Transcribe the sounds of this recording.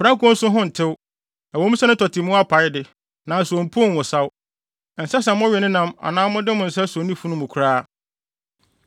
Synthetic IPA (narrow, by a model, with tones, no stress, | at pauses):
fɾa˦kʰu˨ɔ̃˦n̩˦sʊ˦ɦʊ̃˦n̩˨tʰɪ˦w | a˨wɔ̃˨˦ũ˦sɛ˦nʊ̃˦tʰɔ˨tʰɪ˨mʊ̃˦a˦pʰa˨˦jɪ˦dɪ˨ | nã˨su˨õ˨m̩˨pʰʊ˦˨n˨wʊ˨sa˦w | n̩˨sɛ˦s̬ɛ̃˨˦ɔ̃˦ɥɛ˨nɪ̃˦nã˦ma̰˨nãː˦mʊ̃˦dɪ˦mʊ̃˨n̩˨sɛ˦so˨nĩ˦fu˦nʊ̃˦mʊ̃˨kʰʊ˨ɾaː˦